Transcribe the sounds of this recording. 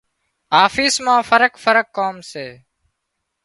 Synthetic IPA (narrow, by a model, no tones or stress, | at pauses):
aːfiːsmãːfəɾəkfəɾəkːoːmseː